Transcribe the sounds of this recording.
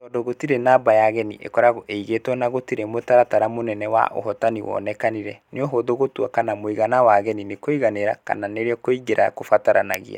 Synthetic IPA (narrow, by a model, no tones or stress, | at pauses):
ɔdɔɣotiɾenabajaɣɛnḭʔḛkɔɾaɣɔʔeiɣetɔnaɣotiɾemotaɾataɾamonɛnɛwa̰ʔo̰ɦɔtaniwɔ̰ːnɛkaniɾɛneɔɦoðoɣotuakanamoiɣanawaɣɛninekoiɣaneɾa̰ka̰naneɾeɔkoiɡeɾa̰kofataɾa̰na̰ɣḭa̰